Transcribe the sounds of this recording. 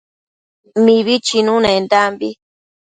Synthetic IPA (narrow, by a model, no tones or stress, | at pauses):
miβit͡ʃinũnẽnd̪ambi